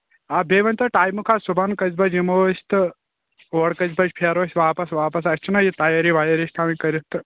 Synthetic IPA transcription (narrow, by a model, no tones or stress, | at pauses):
abeːʋɐnʲt̪ɐʈaːjmukʰaːsubɐnkɐzbɐd͡ʒimoːst̪ɨ | oːɽkɐzbɐd͡ʒʲpʰeɾoːsʲʋaːpɐsʋaːpɐs̬ɐst͡ʃʰinɐjit̪ajaɾiʋaːjɐɾist̪ʰaːmĩkɐɾʲit̪ɨ